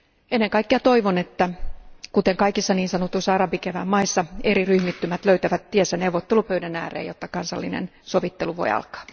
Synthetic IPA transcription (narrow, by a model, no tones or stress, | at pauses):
enːeŋkɑikːeɑt̪oiʋonet̪ːækut̪eŋkɑikisːɑniːnsɑnot̪ːuisːɑɑrɑbikeʋæmmɑisːɑeɾiryhmit̪ːymæt̪løyt̪æʋæt̪t̪iesːæneuwʋːot̪ːelupøydænæ̰ːrḛːjot̪ːɑkɑnsɑlːinḛn | soʋit̪ːeluʋo̰iɑ̰lkɑ̥ː